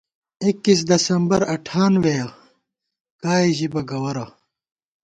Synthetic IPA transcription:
ikːis̬d̪ɐsɐmbɐɾɐʈʰaːnweːjɐ | kaːiʑibɐɡɐwɐɾɐ

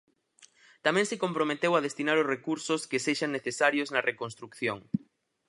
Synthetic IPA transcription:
t̪amɛ̃ŋsekompɾomet̪ewað̞est̪inaɾʊzrekuɾsʊskeseʃaŋːeθesaɾjoznɐrʔekonst̪ɾukθjoŋ

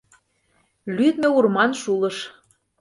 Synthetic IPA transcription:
lyd̪mĕurmɑnʃulɤ̆ʃ

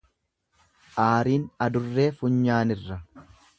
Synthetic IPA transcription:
ʔaːɾiːnɐd̪ʊrːe̞ːfʊɲːaːnɪrːɐ

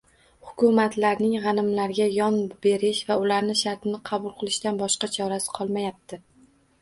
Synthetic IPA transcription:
hʊkʲʊmat̪laɾnɪŋʁɑnɪmlaɾɡʲajɒnbe̞ɾɪʃvaʊlaɾnɪʃaɾt̪ɪnɪqʰɑbʊlˠqʰɨlˠɪʃt̪anbɒʃqɑt͡ʃʰɒɾasɪ̥qʰɒlˠmajap̚t̪ʰɪ

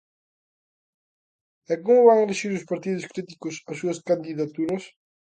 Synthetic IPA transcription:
eɣũŋvaŋeleʃiɾʊspaɾt̪iðʊskɾit̪ikʊsɐsːuɐskand̪iðat̪uɾɐs

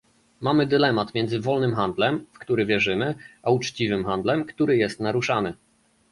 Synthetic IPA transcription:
mamɘd̪ɘlɛmat̪mʲjɛnd̪zɘvɔlnɘmxand̪lɛmfkt̪uɾɘvʲjɛʐɘmɘʔaut͡ʂt͡ɕivɘmxand̪lɛmkt̪uɾɘjɛst̪naɾuʂanɘ

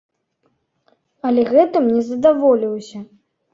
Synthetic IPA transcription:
ɐlʲɛɣɛt̪ɨmnʲɛzɐd̪avɔlʲiwsʲɐ

